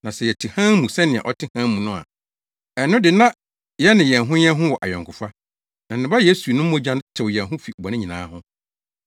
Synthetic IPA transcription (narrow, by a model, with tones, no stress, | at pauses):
nã˨sɛ˨jɛ˨tʰi˨hã˦mũ˨sɛ˦nɪ̃˨a̰˨ʔɔ˦tʰɪ˦hã˦mũ˨nʊ̃˦a̰˨ | ɛ˨nʊ̃˦dɪ˨nã˦ | jɛ˦nɪ̃˨jɛ˨nɦʊ̃˦ɲɛ˦ɦʊ̃˦wɔ˨ʔa˨jɔ̃˨ŋkʰʊ˨fa˦ | nã˨nː˨ɪ̃˨ba˦jeː˦su˨nʊ̃˦m̩˦mõ˦d͡ʑã˦ntʰɪ˨wjɛ˨nɦʊ̃˦fi˨bɔ˨nɪ̃˦ɲĩ˨nã̰ː˨˦hʊ̃˦